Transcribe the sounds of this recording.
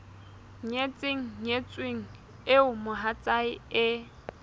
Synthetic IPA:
ɲet͡sʼɪŋ̩ɲet͡sʼweŋ̩ | ɪʊmʊɦat͡sʼaɪɪ

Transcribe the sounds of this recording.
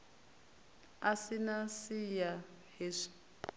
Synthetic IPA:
asinasija | hiʂi̥

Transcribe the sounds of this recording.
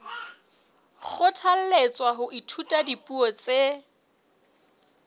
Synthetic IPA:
k͡xʰʊtʰal̩let͡sʼwaɦʊʔitʰutʼadipʼuɔt͡se

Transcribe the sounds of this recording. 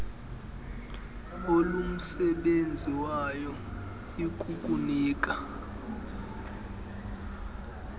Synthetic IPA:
olum̩sɛɓend͡zʱiwajɔ | ikʼukʼuniːk̬ʼa

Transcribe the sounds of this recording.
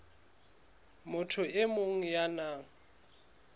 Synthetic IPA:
mʊtʰʊʔɪmoŋ̩janaːŋ̩

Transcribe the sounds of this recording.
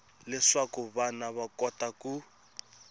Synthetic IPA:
lɪʂwakuβanaβakɔtaku

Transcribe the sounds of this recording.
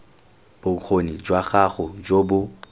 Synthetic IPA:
b̥ʊk͡xʰonid͡ʒwaχaχʊd͡ʒobʊ

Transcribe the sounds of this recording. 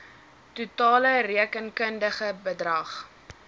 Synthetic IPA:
tutɑːləriəkənkəndəχəbədrɐχ

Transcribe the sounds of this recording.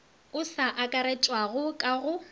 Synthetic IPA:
ʊsaʔakʼaɾɛt͡ʃʼwaɣʊkʼaɣʊ

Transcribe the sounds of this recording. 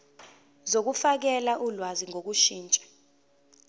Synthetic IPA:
zok̬ufak̬ɛlaʔulwaziŋʱok̬uʃiːnt͡ʃʼɛ̥

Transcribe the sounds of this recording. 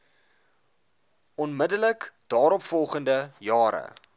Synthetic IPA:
ɔnmədələkd̥ɑːɾɔpfɔlˠχəndəjɑːɾə̰

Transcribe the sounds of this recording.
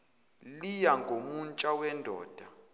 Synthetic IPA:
lijaŋɡʱomunt͡ʃʼawɛndʱɔ̰ːd̥ʱa

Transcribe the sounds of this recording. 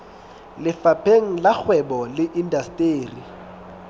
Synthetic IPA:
lɪfapʰeŋ̩lak͡xʰwɛbɔlɪʔindastʼeːri

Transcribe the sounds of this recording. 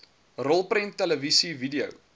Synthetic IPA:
rɔlˠprəntːɛləvisividiə̰w

